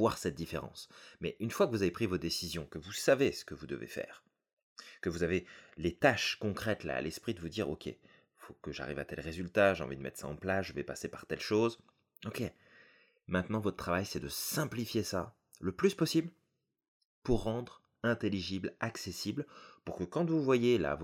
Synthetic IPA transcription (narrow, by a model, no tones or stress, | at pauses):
vwaʁsɛt̪̚d̪ifeʁɑ̰̃smɛʔynfwakəvuzavepχivod̪esizjɔ̃kəvusavesə̥kəvud̪ə̰vḛfɛ̰ːʁ | kəvuzavelet̪aʃkɔ̃kχɛt̪la̰a̰lɛspχid̪əvud̪iːʁo̰kʲʰḛ | fokəʒa̰ʁḭvat̪ɛlʁezylt̪aʒeɑ̰̃vid̪əmɛ̰t̪χsa̰ɑ̰̃plasʒəvɛpasepaʁt̪ɛlʃoz | okʲe | mɛ̃t̪nɑ̃vɔt̪χət̪χavajsɛd̪əsɛ̃plifjesa | ləplyspɔsibl | puʁːɑ̃d̪ʁ | ɛ̃t̪eliʒiblaksesiblpuʁkəkɑ̃t̪vuvwajela̰v